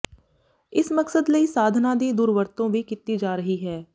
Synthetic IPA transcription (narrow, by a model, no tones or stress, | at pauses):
ɪsmɐksəd̪ləisaːd̪ʱnad̪ed̪uːɾʋəɾt̪õbʱikɪt̪ːid͡ʒaːɾəɦiɦɛː